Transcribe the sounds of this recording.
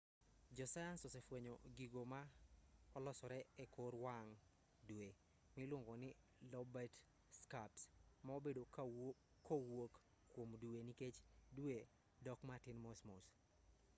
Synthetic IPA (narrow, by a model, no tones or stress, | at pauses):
d͡ʒɔsajansɔsefweɲoɡiɡoma | ɔlɔsɔɾɛɛkoɾwaŋ | due | mɪlwʊŋɡɔnɪ | lɔbɛt | skapsmaobedok | kːowokː | womdueniket͡ʃdwe | dɔkmatɪnmɔsmɔs